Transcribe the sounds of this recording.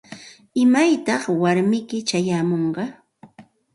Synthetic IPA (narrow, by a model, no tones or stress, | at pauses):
ɪmajt̪ɑχwaɾmɪkɪt͡ʃajaːmoɴɢɑ